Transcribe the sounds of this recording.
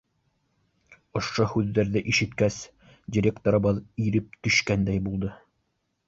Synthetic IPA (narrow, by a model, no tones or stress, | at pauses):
ŏʃohʉðːæɾðɘʔiʃɘ̆t̪kæs | d̪ʲɪɾʲekt̪oɾɤ̆bɑðiɾɘp̚t̪ɵ̆ʃkænd̪æjbulˠd̪ɤ